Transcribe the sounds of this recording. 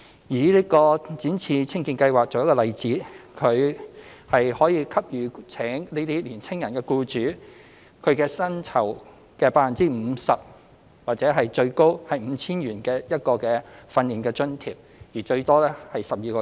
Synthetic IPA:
jiː˨˩liː˥kɔː˧t͡siː˨˥nt͡sʰiː˧t͡sʰɪ˥ŋkiː˧nkɐ˧jwaː˨k̚t͡so˨wjɐ˥kːɔː˧lɐ˨jt͡siː˨˥kʰɵ˨˧ɥhɐ˨jhɔː˨˥jiː˧kʰɐ˥p̚jyː˨˧t͡sʰɛː˨˥ŋniː˥t̪iː˥liː˨˩nt͡sʰɪ˥ŋjɐ˨˩nkɛː˧kuː˧t͡ʃyː˨˥ | kʰɵ˨˧ɥkɛː˧sɐ˥nt͡sʰɐ˨˩w | kɛː˧paː˧fɐ˨˩nt͡siː˥m̩˨˧sɐ˨p̚ | waː˨k̚t͡sɛ˨˥ɦɐ˨jt͡ʃɵ˧ɥko˥whɐ˨jm̩˨˧t͡sʰiː˥nɥyː˨˩nkɛː˧jɐ˥t̚kɔː˧kɛː˧fɐ˧nːiː˨˩nkɛː˧t͡ʃɵ˥nt̪ʰḭː˨˩p̚jiː˨˩t͡ʃɵ˧ɥt̪ɔː˥lɛː˥hɐ˨jsɐ˨p̚jiː˨˧kɔː˧

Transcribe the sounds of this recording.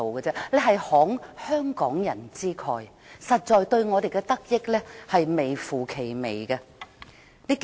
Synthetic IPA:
o˨kɛ˧t͡sɛː˥lɛ˨˧ɦɐ˨jhɔː˨˥ŋhœː˥ŋkɔː˨˥ŋjɐ˨˩nt͡siː˥kʰɔː˨˩j | sɐ˨t̚t͡ʃɔː˨jt̪ɵ˧ɥŋɔː˨˧d̪e˨jkɛ˧t̪ɐ˥k̚jɪ˥k̚lɛ˥hɐ˨jme˨jfuː˨˩kʰe˨˩jme˨˩jɡɐ˧ | niː˥k

